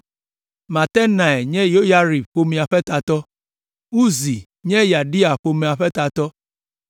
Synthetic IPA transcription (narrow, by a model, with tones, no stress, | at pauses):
ma˨tɛ˦na˨ɛ˨ɲɛ˦jo˦ja˦ɾi˨bk͡po˦mĩ˨a˨ɸɛ˦ta˨tɔ˦ | u˦zi˨ | ɲɛ˦ja˨di˦a˨ɸo˨mĩ˨a˨ɸɛ˦ta˨tɔ˦